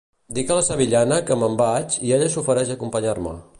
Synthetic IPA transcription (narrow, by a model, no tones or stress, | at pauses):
d̪ikələsəβiʎanəkəməmbat͡ʃieʎəsufəɾɛʃəkumpəɲarmə̰